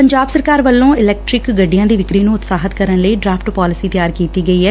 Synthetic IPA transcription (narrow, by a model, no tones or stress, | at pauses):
pəɲd͡ʒaːbsəɾkaːɾʋəlːõːɪlɛːk̚ʈɾɪkɡəɖːijãːd̪iːʋɪkɾiːnũːʊt̪saːɦət̪kəɾənləiːɖɾaːpʰʈpɔːlɪsiːt̪jaːɾkiːt̪iːɡəiːɦɛː